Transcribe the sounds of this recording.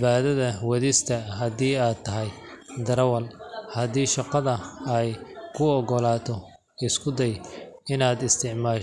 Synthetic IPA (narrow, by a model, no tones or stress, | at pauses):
βaːðɐðɐwɐðɪst̪ʰɐɦɐdiːaːd̪̚t̪ʰːɐɦɛj | d̪ɐɾɐwɐlhɐðiːʃɑqɑðɐɛjkʰʊɔɣɔlaːt̪ʰɔ | ɪskʰʊd̪ɛjɪnaːd̪ɪst̪ʰɪʕmaː